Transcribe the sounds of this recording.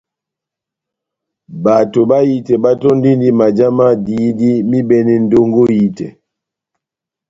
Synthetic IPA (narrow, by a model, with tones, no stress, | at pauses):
ba˨to˨ba˦ji˦tɛ˨ba˦tɔ˦n˦di˦ndi˦ma˨d͡ʒa˦ma˦di˨˦di˦mi˦bɛ˦˨nɛ˨n̩˦do˦ŋɡo˦ji˦tɛ̰˨